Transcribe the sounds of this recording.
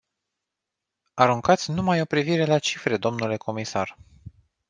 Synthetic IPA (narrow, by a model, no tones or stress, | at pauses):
aɾuŋkat̪sʲnumajo̞pɾiviɾe̞lat͡ʃifɾe̞d̪o̞mnule̞ko̞misar